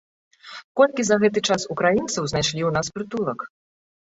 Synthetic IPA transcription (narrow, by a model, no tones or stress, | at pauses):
kɔlʲkʲizɐɣɛt̪̬ɨt͡ʂasukɾajint̪sɐwznajʂlʲiwnaspɾɨt̪ulˠɐk